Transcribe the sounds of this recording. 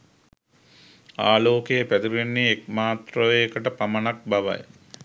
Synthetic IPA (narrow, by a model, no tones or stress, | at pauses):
aːloːkejəpæd̪uɾenːiek̚maːt̪roʋekəʈəpamɐnak̚baʋa̰j